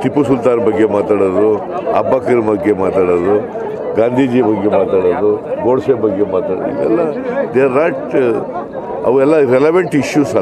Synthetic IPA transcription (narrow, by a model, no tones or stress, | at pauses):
t̪ipːusult̪aːnbɐɡːemaːt̪aːɽod̪uɐ̰bːakɐɾbɐɡːemaːt̪aːɽod̪u | ɡaːnd̪ʱiːd͡ʒibɐɡːemaːt̪aːɽod̪uɡoːɽsebɐɡːemaːt̪aɽ̰ḭɡɛ̰lːad̪eɾaːʈ | ɐ̰ʋuɛlːaɾeleʋɐɳʈiʃjuːsɐ